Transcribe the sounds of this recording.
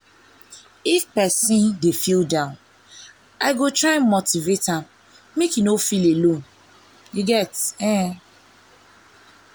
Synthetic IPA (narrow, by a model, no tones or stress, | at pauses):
ifpɛsĩndefildãʊ̃n | aɪɡotɹaɪmotivetãm | mekinofilelõn | jiɡɛtɛ̃